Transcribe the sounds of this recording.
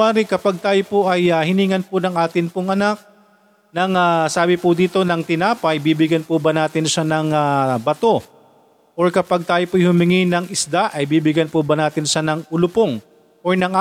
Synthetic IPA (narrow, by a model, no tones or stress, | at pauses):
aːɾɪkɐpaɡ̚t̪aːjopoʔɐjahɪniːŋɐnpʊnɐŋʔaːt̪ɪnpʊŋʔɐnak̚ | nɐŋasaːbɪpʊd̪iːt̪o̞nɐŋt̪ɪnaːpɐjbiːbɪɡjɐnpʊbɐnaːt̪ɪnʃanɐŋabɐt̪o̞ | ʔoɹkɐpaɡ̚t̪aːjopoʔɐjhʊmɪŋɪnɐŋɪsd̪aʔɐjbiːbɪɡjɐnpʊbɐnaːt̪ɪnʃanɐŋʊlʊpoŋ | ʔoɹnɐŋʔa